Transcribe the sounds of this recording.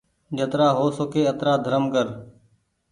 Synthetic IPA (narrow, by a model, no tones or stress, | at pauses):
d͡ʒət̪ɾaːɦoːsokeːət̪ɾaːd̪ʱəɾəmkəɾ